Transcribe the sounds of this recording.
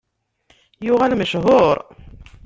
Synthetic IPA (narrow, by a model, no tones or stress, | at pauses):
jʊʁælməʃɦʊɾˤ